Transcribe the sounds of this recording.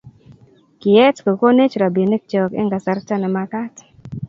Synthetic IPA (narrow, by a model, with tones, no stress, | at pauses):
kɪ˨ɛ˦tko˨ko˦ne˦t͡ʃɾa˨bi˨ne˦k̚t͡ʃɔ˨kḛ˦ŋɡa˨sa˨ɾta˦nɛ˨ma˦ka˦t